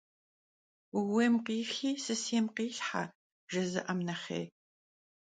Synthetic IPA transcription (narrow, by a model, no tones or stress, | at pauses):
weːmqiːxiːsɨsiːmqiːɬħa̰ | ʒɐzɨ̰ʔɐmnɐχḛː